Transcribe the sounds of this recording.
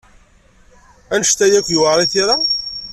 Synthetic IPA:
ænəʃt̪æjækjuaɾˤiθiɾa

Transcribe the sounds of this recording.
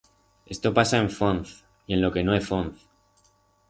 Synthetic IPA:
e̞st̪o̞pasaeɱfonθ | ie̞nlo̞ke̞noesfonθ

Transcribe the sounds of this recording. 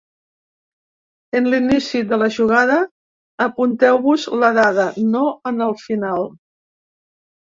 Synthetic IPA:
ənlinisiðələʒuɣ̞aðəː | punt̪ɛwβuzləðaðənoənəlˠfinalˠ

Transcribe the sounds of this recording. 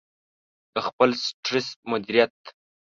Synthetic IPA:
d̪̥əxpəlsʈɾɪsmʊd̪iɾijat̪̚

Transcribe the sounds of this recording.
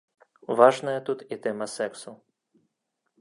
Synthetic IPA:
ʋɑʒnɐjɛt̪ut̪it̪ɛmɐsɛksʊ

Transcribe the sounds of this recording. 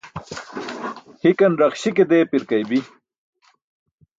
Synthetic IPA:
hikɐnɾɐqɕiked̪eːpiɾkajbi

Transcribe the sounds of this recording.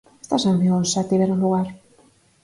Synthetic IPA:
e̥st̪asambionsat̪iβeɾunluɣaɾ

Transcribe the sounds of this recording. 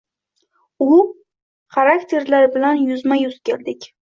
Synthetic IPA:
ʊ | χaɾakt̪ʰe̞ɾlaɾbɪlanjʊzmajʊzkʲʰeld̪ɪkʲ

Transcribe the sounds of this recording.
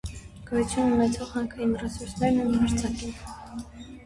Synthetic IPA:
ɡ̥ɔjut͡sʰjununɛt͡sʰɔʁhɑŋkʰəimrɛsuɾsnɛɾnunhɑɾt͡sʰɑkin

